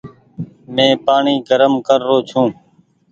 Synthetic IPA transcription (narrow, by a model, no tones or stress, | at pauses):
mẽːpaːɳiːɡəɾəmkəɾːoːt͡ʃʰũː